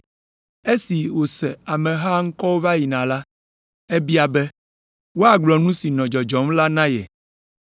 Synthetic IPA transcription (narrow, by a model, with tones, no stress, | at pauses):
e˦si˨wo˨sɛ˨a˨mɛ̃˨ɦa˦ŋ̩˦kɔ˦wo˦va˦ji˨nã˨la˦ | e˦bi˦a˨bɛ˦ | wo˦a˨ɡ͡blɔ˨nũ˦si˨nɔ̃˨d͡ʒɔ˨d͡ʒɔ˨˦mla˦nã˦jɛ̰˨